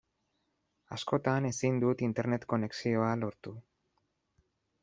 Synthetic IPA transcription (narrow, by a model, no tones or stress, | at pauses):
asko̞t̪ane̞sind̪ut̪int̪e̞ɾne̞t̪ko̞ne̞ksio̞alo̞ɾt̪u